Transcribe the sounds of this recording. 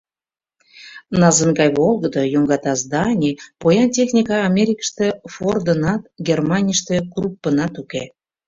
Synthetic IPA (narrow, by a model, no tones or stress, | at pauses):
nɑzənɡɑjβolˠɡəd̪ojoŋɡɑt̪ɑzd̪ɑnʲipojɑntʲexnʲikɑːmʲeɾʲikə̥ʃt̪əford̪ənɑt̪̚ɡʲermɑnʲijəʃt̪əkrupːənɑt̪uke